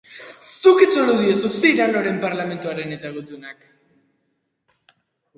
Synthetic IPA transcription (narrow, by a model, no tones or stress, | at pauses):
sukit͡soluðiosuθiɾanoɾe̞mpaɾlame̞nt̪uaɾe̞net̪aɣut̪unak